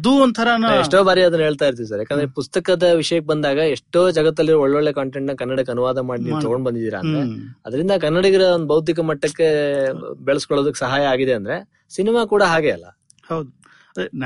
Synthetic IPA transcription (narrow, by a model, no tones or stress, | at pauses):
ɐd̪uond̪t̪ʰɐɾɐnaeʂʈoːbaːɾiɐd̪ɐnɐɦe̞ːɭt̪aːjiɾt̪̬iɾus̬ɐɾjaːkːaːnd̪ɐɾepust̪ɐkɐd̪ɐʋiʂɐjɐk̬ːebɐnd̪aːɡɐeʂʈoːd͡ʒɐɡɐt̪ːɐlːiɾoɔɭːoɭːe̞kaːɳʈeɳʈnɐkɐnːɐɽɐkːɐnuʋaːd̪ɐmaːɽiniːt̪ɐɡo̞ɳɖbɐnd̪id̪iːɾɐ̰ːnd̪ɾeɐd̪ɐɾind̪ɐkɐnːɐɽɐɡɐɾɐond̪ubɐʋwt̪̬ikɐmɐʈːɐkːe̞ | beɭɐskɔɭoːd̪ɐkːe̥sɐɦaːjɐaːɡid̪e̞ɐnd̪ɐɾe̞ | sinimaːkuːɽɐɦaːɡeɐlːɐ̰ | hɐwd̪u